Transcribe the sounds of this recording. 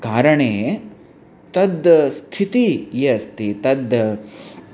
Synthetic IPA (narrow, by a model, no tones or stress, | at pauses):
kaːɾɐɳeː | t̪ɐd̪st̪ʰit̪ijɐst̪ʰit̪ɐd̪